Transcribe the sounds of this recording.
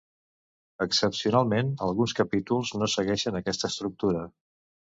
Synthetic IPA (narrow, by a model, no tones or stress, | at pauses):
əksəpsiunalˠmenəlˠɣunskəpit̪ulˠznosəɣɛʃənəkɛst̪əst̪ɾuk̚t̪uɾə